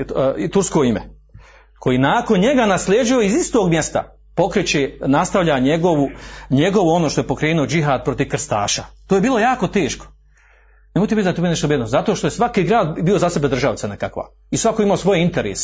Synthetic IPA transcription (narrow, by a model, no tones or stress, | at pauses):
t̪uɾsko̞imḛ | kʰo̞jinaːko̞nɲe̞ɡanaslʲjeːd͡ʒaoizist̪oːɡmje̞st̪a̰ | po̞kɾet͡ɕenast̪aʋʎʲaɲeɡoʋuɲeɡo̞ʋuo̞noːʃt̪o̞jepo̞kɾeːnuod͡ʒiɦaːd̪̚pɾo̞t̪iʋkr̩st̪a̰ːʃat̪ojebiːlˠo̞jaːko̞t̪eːʃko̥ | nemojt̪eit̪at̪obineʃt̪bjed̪nozat̪oʃt̪o̞jesʋakiːɡɾaːd̪biozase̞be̞d̪ɾr̩ʒaʋt̪anekakʋa̰ | isʋakoimaosʋo̞jeint̪eɾḛːs